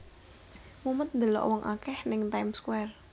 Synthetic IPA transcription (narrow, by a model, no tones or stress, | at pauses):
mumət̪̚nd̪əlɔ̰ʔwɔŋʔa̰kɛhnɪŋt̪ajmskwɛr